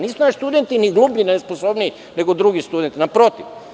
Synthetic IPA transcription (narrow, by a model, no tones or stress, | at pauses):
niːsunaʃi̥st̪ud̪ent̪iniɡluːbninesposobniː | ne̞ɡod̪ɾuɡist̪ud̪ent̪inapɾo̞t̪iʋ